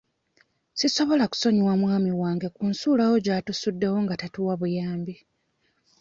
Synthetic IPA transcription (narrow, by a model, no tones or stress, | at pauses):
siso̞βo̞laku̥so̞ɲiwamwaːmiwaːŋɡe̞kuːnsuːlawo̞ɟaːtusudːe̞wo̞ŋɡatatuwaβujaːmbi